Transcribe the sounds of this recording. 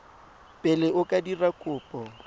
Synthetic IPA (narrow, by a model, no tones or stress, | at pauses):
pʼɛlɪʔʊkʼadirakʼʊːpʼɔ